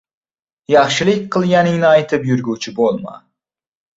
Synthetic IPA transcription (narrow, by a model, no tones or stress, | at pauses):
jɑχʃɪlɪkʲqʰɨlˠɡʲanɪŋnɪajt̪ʰɪpjʊɾɡʲut͡ʃʰɪbolˠma̰